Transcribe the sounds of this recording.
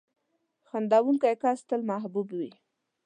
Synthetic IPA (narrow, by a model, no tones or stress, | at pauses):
xand̪awunkajkast̪əlmaɦbubwi